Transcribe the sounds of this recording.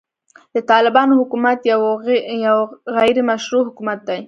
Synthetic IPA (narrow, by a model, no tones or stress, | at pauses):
d̪ət̪ɑlɪbɑnohʊkumat̪jawjawɣajɾemaʃɾuɦʊkumat̪̚d̪aj